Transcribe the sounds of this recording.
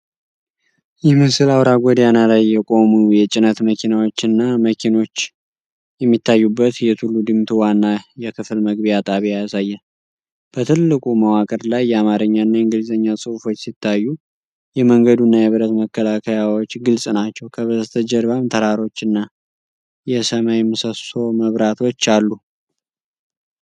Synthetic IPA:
jɛmɨsɨlawɾaɡʷɔd̪janalajːɛkʼo̞mujɛt͡ʃʼɪnət̪məkʰinawo̞t͡ʃːɨnːaməkʰino̞t͡ʃː | jɛmːit̪ːajːubːət̪jɛt̪ʰulːud̪ɨmt̪ʰuwanːajɛkʰɨflməɡβijat̪ʼaβijajasajːɛ | b̥ət̪ʰɨlːɨkʼuməwakʼəɾlajːɛamaɾəɲːaɨnːaɨŋɡɨlzəɲːasʼɨufo̞t͡ʃːsit̪ːajːu | jɛməŋɡəd̪unːajɛβɨɾət̪məkːəlakʰəjawot͡ʃːɡɨlsʼnat͡ʃːɛwkʰəβəzt̪ʰəd͡ʒəɾβamt̪ʰəɾaɾo̞t͡ʃːɨnːa | jɛsəmajmɨsəso̞məβɾat̪ʰo̞t͡ʃːalːu

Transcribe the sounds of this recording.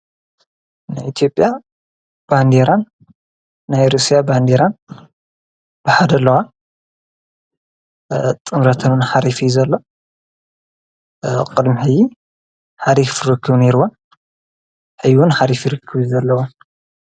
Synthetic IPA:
najʔit̪ʰjo̞pʼja | b̥and̪eɾanː | ajɾusijaband̪eɾan | b̥ɨħad̪ɐlːɐwa | t̪ʼɨmɾɐt̪ʰɐnɨnħaɾifizɐlːo | kʼɨd̪miħɨjːi | ħaɾifɾɨkʰːɨβneɾwon | ħɨjwunħaɾifjɾɨkʰːɨβzɐlːɐwa

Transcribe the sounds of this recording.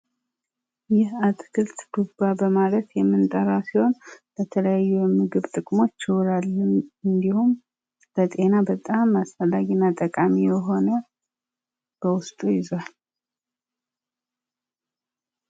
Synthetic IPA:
jɛhat̪ʼɡɨlt̪b̥ubabəmalət̪jɛmːɨnt̪ʼəɾasiho̞nb̥ət̪ʰələjajːujɛmːɨɡɨβt̪ʼɨkʼmo̞t͡ʃːɪwɾalːɨnɨnd̪ihum | bət̪ʼe̞nabət̪ʼamːasfəlːaɡinːat̪ʼəkʼamijɛɦo̞nə | b̥əwʊst̪ʼujɪzwal

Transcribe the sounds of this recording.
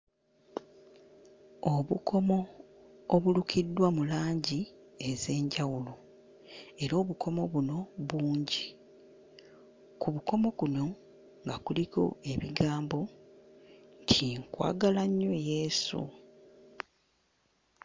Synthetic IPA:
oβukʰo̞mo̞ː | βulukidːwamulaːɲɟi | e̞ze̞ːɲɟawulo | e̞ɾoːβukʰo̞mo̞βuno̞βuːɲɟi | kuβuko̞mo̞kuno̞ | ŋɡakuliko̞̰e̞βiɡaːmbo̞ | ntʰiŋkwa̰ːɡalaɲːoje̞sṵ

